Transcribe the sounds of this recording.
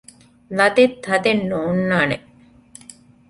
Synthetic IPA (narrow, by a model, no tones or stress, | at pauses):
lɐd̪et̪ʰːɐd̪enːoːnːaːne